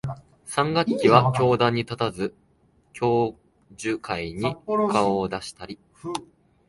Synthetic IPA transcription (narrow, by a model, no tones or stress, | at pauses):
sãŋɡakkʲiβ̞akʲo̞ːd̪ãɲ̟ːit̪at̪azɨ | kʲo̞ː | ʑɨkʰaiɲ̟ikʰaoːd̪aɕi̥t̪aɾʲi